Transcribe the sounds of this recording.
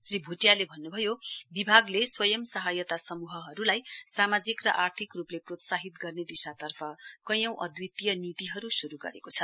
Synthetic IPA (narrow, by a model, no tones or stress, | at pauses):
sribʱuʈjalebʱʌnːubʱʌjobibʱaɡleswʌjʌmsʌɦajʌt̪asʌmuɦʌɦʌɾulajsamad͡zikrʌ̰ʔart̪ʰikrupleprot̪saɦit̪ɡʌrned̪isat̪ʌrpʰʌkʌjʌ̃w̃ʔʌ̰d̪wit̪ijʌnit̪iɦʌɾusuɾuɡʌ̰ɾḛkot͡sʰʌ